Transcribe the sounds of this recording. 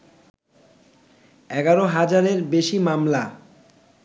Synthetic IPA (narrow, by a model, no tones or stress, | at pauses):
ɛɡaɾoɦad͡ʑaɾeɾbeʃimamla